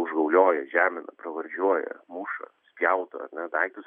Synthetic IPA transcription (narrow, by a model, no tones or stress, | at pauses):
ʊʒɡɐʊlʲoːjɛʒʲæːmʲɪnɐ̰pɾɐʋɐɾʲʒʲuɔjɛ̰muːʃɐ̰sʲpʲjɛʊt̪ɐ̰ːɐ̰ɾnʲɛd̪ɐɪkt̪ʊs